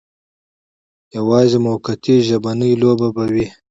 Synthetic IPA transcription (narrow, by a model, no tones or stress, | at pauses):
jawɑːzemokat̪iʒabanəjlobabawi